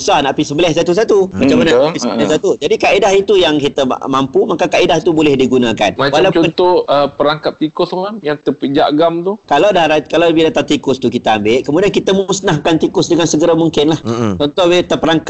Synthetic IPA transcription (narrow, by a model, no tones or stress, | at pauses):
sahnaʔpisəmbəlɛhs̬at̪us̬at̪umat͡ʃamanaisəlɛsat̪ud͡ʒadikaidaɦit̪ujaŋkit̪ə̰mampumakakaidahit̪ubolɛhdiɡunãka̰nawalawt͡ʃɔət̪ɔəpəɾaŋkap̚t̪ikʊsmajaŋt̪əpəd͡ʒa̰ʔɡamt̪ukalawdaɾakalawbilat̪at̪ikʊst̪ukit̪aambɪʔkəmudiankit̪amusnaɦkant̪ikʊsdəŋansəɡəɾamuŋkɪnlaht͡ʃɔnt̪ɔhbet̪əpəɾaŋk̚